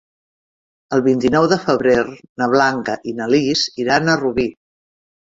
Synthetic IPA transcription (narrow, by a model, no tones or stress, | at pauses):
əlˠβint̪inɔwðəfəβɾeɾnəβ̞laŋkəʔinəlisiɾanəruβi